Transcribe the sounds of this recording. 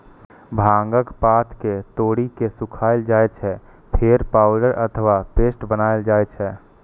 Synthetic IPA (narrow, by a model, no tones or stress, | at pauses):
bʱãŋɡəkpat̪ʰket̪oːɽikesukʰaːɪld͡ʒaːet͡ʃʰɛ | pʰeɾpaːʊɖəɾʔət̪ʰəʋapeːsʈbənaeld͡ʒaɛt͡ʃʰɛ